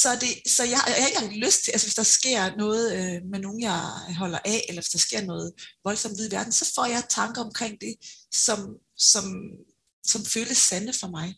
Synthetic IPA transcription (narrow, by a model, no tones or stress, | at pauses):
sɒ̽d̥e̝sɒ̽jɑ̈jɑahe̝ɡ̥əhʁeɡ̥̚d̥iløsd̥̚t͡sʰe̝ʔælsəʋe̝sd̥ɑ̈sɡ̥e̝ɐ̰nɔ̽ːð̩ˠømeno̝ːn̩jɑ̈ɦɒ̽l̰ɐʔɛelɐʋe̝sd̥ɑ̈sɡ̥e̝ɐ̰nɔ̽ːð̩ˠʋɒ̽lsɒ̽m̰d̥iðˠʋæɐd̥n̩sɒ̽fɒ̰ːjɑ̈ɪt͡sʰɑ̈ŋɡ̥ɐɒ̽mkʰʁeŋ̰d̥e̝sɒ̽m | sɒ̽m | sɒ̽mføːləsænəfɒ̽mɑ̈ɪ